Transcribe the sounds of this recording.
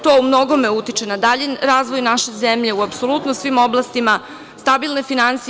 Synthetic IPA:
t̪oumno̞ɡo̞meut̪it͡ʃe̞nad̪aʎinɾaːzʋojnaʃe̞zemʎeuapso̞lˠut̪nosʋimo̞blˠast̪ima | st̪abilˠne̞finansi

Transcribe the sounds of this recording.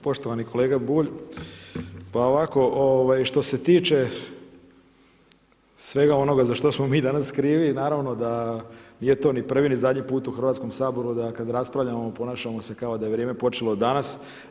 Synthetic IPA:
po̞ʃt̪o̞ʋanikʰo̞le̞ːɡabuːʎ | paoʋako̞ʔoʋajʃt̪o̞set̪iːt͡ʃe̞ | sʋe̞ɡao̞no̞ɡazaʃt̪osmo̞miːd̪anaskɾiːʋinaːɾaʋno̞d̪aniːje̞t̪o̞ːnipr̩ʋinizad̪ɲipuːt̪uxr̩ʋat̪sko̞msaːbo̞ɾud̪akad̪ɾaspɾaʋʎʲamopo̞naːʃamo̞se̞kao̞d̪ajeʋɾeːme̞po̞t͡ʃelo̞d̪anas

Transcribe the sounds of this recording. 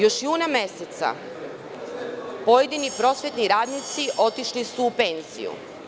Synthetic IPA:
jo̞ʃjuːname̞set̪sa̰ | po̞je̞d̪inipɾo̞sʋje̞t̪niɾaːd̪nit̪siʔo̞t̪iʃlisuːpe̞nz̥ḭjṵ

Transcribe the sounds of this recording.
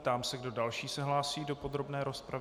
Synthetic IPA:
t̪aːmsɛɡdo̞dalʃiːsɛɦlaːsiːdo̞po̞d̪ɾo̞bnɛːɾo̞spɾavɪ

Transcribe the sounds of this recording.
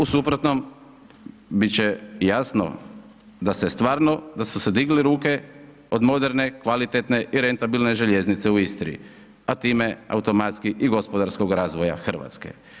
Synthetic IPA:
usupɾot̪no̞m | bitt͡ɕe̞jasno̞̰ | d̪asest̪ʋaːɾno̞d̪asused̪iɡliɾuːke̞ | od̪mo̞d̪e̞ɾne̞kʋalit̪et̪ne̞ʔiɾe̞nt̪abilneʒeʎe̞znit̪se̞uist̪ɾḭḭ | at̪iːmea̰ut̪o̞mat̪skiʔiɡo̞spo̞d̪aɾsko̞ɡɾaːzʋoja̰xr̩ʋa̰t̪ske̞̰

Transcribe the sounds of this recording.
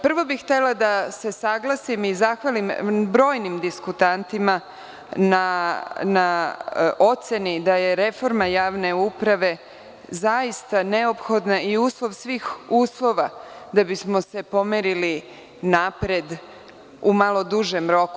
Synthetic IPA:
pr̩ʋo̞bixt̪e̞lad̪ase̞saɡlˠasimizaxʋalimbɾo̞ːjnimd̪iskut̪ant̪ima | nana | ʔo̞t̪se̞nid̪aje̞ɾe̞fo̞ɾmajaːʋne̞upɾaʋe̞ | zajist̪ane̞opxo̞d̪naiuːslˠo̞ʋsʋiːxuːslˠo̞ʋad̪abismo̞se̞po̞meɾili | napɾed̪ | umalˠo̞d̪uʒemɾo̞ku

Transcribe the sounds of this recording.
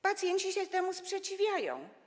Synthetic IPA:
pat̪sjɛɲt͡ɕiɕɛt̪ɛmuspʂɛt͡ɕivʲjajɔ̰̃w̃

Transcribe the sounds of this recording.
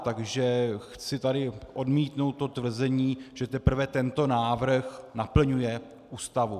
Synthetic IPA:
t̪aɡʒɛxt͡sɪt̪adɪʔo̞dmiːt̪no̞wt̪̚ːo̞t̪vr̩zɛɲiːʒ̥ɛt̪ɛpr̩vɛt̪ɛnt̪o̞naːvr̩xnapl̩ɲujɛ | ʔuːst̪avu

